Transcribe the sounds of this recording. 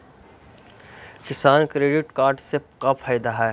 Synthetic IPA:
kɪsaːnkɾeːɖɪʈkaːɾɖsekapʰaːjd̪aɦɛː

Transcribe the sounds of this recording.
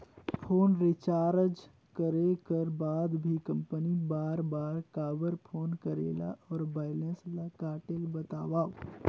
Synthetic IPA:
pʰoːnɾɪt͡ʃaːɾd͡ʒ | kəɾekəɾbaːd̪bʱikɐ̃mpənibaːɾbaːɾkaːʋəɾpʰoːnkəɾḛːla̰ʔɔːɾbaːɪlenslakaːʈelbət̪a̰ːwaːʋ

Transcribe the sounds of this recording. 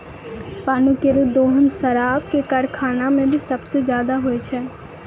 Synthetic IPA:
paːnukeɾud̪oːɦənsɐɾaːb̚kekɐɾkʰaːnamẽbʱisɐbsezjaːd̪aɦoet͡ʃʰɛː

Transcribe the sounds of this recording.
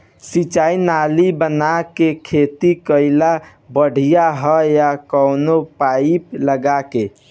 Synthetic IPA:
sit͡ʃainalibənakekʰet̪ikəɪla | bəɽ̤ʱijaɦəjakəʊnopaipləɡake

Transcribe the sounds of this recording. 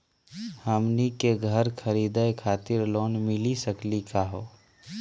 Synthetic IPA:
həmnikeɡʱəɾkʰəɾiːd̪əkʰaːt̪ɪɾloːnmɪlisəklikaɦoː

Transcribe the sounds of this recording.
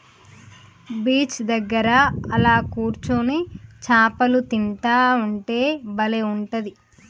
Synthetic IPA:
biːt͡ʃd̪ɐɡːɐɾɐɐlaːkuːɾt͡ʃunit͡ʃaːpɐlut̪int̪aːuɳʈe̞ːbɐleuɳʈɐd̪i

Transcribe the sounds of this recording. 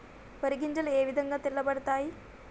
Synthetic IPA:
pɐɾiɡiɲd͡ʒɐlɐeːʋid̪ʱɐŋɡaːt̪iɭːɐbɐɽɐt̪aːji

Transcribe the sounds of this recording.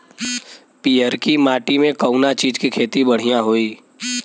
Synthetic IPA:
piːəɾkimaːʈimẽkəʊnat͡ʃiːd͡ʒkikʰeːt̪ibɐɽ̤ijãɦoːiː

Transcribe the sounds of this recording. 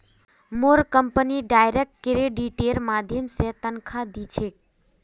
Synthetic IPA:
moɾkəmpəniɖajɾek̚ʈ̚keɾeɖiʈelmad̪ʱjəmsẽt̪ənkʰad̪it͡ʃʰek̚

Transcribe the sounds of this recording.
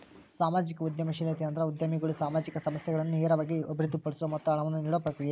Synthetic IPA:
saːmaːd͡ʒikɐud̪jɐmɐʃilet̪eɐnd̪ɾɐud̪jɐmiɡɐɭusaːmaːd͡ʒikɐsɐmɐsjɛɡɐɭɐnːuɛːɐɾɐʋaːɡiobiɾid̪ipɐɭsɐmɐt̪ːɐɐɳɐʋɐnːuniːɽoɐpːɾɐt̪iɡe

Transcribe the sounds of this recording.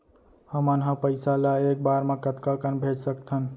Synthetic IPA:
həmənɦə̃pəɪsalaek̚baɾmẽkət̪kakənbʱed͡ʒsəkt̪ʰən

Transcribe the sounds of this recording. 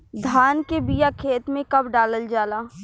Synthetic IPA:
d̪ʱaːnkebiːjakʰeːt̪mẽkɐbɖaːləld͡ʒaːlaː

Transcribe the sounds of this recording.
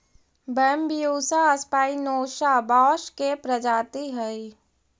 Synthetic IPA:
bəmbijuːsaəspaːinoːʃabaːʃkepɾəd͡ʒaːt̪iɦəi

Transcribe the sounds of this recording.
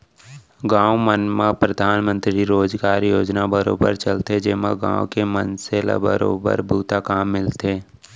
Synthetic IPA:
ɡãːʋmənmapɾəd̪ʱaːnmə̃nt̪ɾiɾoːd͡ʒɡaːɾjoːd͡ʒnabəɾo̰ːbə̰ɾt͡ʃəlt̪ed͡ʒɪməɡã̰ːwkemənselə̰bəɾoːbə̰ɾbuːt̪akaːmːɪlt̪eː

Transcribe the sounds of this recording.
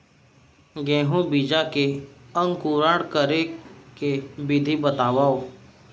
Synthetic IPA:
ɡɛ̃ːɦũbid͡ʒakeəŋkuːɾaɽkəɾekebɪd̪ʱibət̪aːwaːo

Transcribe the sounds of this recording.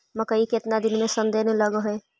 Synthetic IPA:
mɐkəikeɪt̪nad̪ɪnmẽsə̃nd̪eːneləɡoɦe

